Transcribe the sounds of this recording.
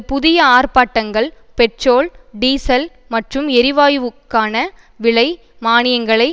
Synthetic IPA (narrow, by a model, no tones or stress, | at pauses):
pʊðɪjɐaːɾpaːʈːɐŋɡɐɭ | pɛʈroːlɖiːsɐl | mɐʈrɯmɛɾɪʋaːjʋɯkːaːnɐ | ʋɪɭɐɪ | maːnɪjɐŋɡɐɭɐɪ